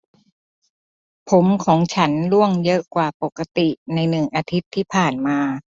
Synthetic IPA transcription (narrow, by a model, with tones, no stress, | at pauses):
pʰo˩˦mkʰɔː˩˦ŋt͡ɕʰa˦˥nlu˥˩əŋjɤ˦˥ʔkwaː˨˩po˨˩kːa˧t̪i˨˩na˧jnɯ˨˩ŋʔaː˧t̪ʰi˦˥t̪ʰːiː˥˩pʰaː˨˩nmaː˧